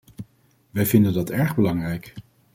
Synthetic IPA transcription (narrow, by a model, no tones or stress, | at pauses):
ʋɛjvɪndəndɑtɛɹχbəlɑŋrɛjk